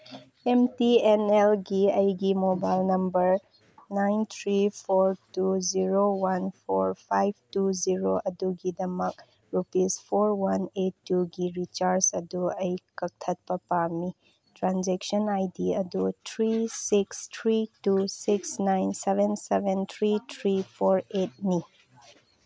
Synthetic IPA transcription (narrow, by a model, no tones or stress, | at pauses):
emtienelɡiɐjɡimobajlnɐmbɐɾ | najnt̪ʰɾipʰoɾtuziɾowanpʰoɾpʰajb̚ʱtuziɾoʔɐduɡidɐmɐk̚ | ɾupispʰoɾwanetːuɡiɾit͡ʃaɾsɐduɐjkɐk̚tʰɐt̚pɐpami | tɾanzeksɔnajdiɐdutʰɾisikstʰɾitusiksnajnsebʱensebent̪ʰɾitʰɾipʰoɾet̚ni